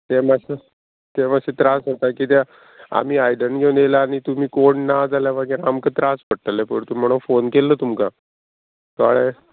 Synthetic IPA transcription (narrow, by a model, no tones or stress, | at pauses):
t̪emasə | t̪emaɕet̪ɾasɦot̪akiːt̪ɛ | a̰m̤iːajɖəɳɡʱenelaːñit̪um̤iːkoɳnad͡zʱaljaʋaɡəɾamkət̪ɾasʋəɽʈ̪əlepəɳt̪umim̤əɽ̃ufonkelːət̪umka | t̪aaɭe